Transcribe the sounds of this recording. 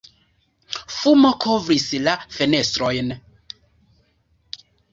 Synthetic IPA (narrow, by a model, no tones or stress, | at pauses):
fumokʰovɾislafe̞ne̞stɾojn